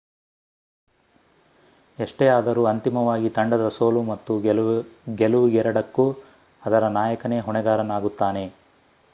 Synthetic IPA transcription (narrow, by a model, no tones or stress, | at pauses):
eʂʈeaːd̪ɐɾuːɐnt̪imɐʋaːɡit̪ɐɳɖɐd̪ɐso̞ːlumɐt̪ːu | ɡeluʋɡɛɾɐɽɐkːu | ɐd̪ɐɾɐnaːjɐkɐne̞ːɦɔɳɛɡaːɾɐnaːɡut̪ːaːne̞